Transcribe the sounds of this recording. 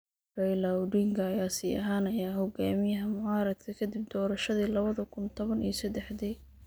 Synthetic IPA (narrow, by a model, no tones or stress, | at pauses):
rɛjlɐwɖiŋkʰɐːjaːsiːʔɐ̰ɦaːnɐjaːɦɔɡaːmɪjɐɦɐmʊʕaːɾɐd̪̚kʰɐkʰɐd̪ɪb̚d̪ɔːɾɐʃɐðiːlɐβɐðɐkʰʊnt̪ʰɔβɐnḭːɔsɛd̪ɛħd̪iː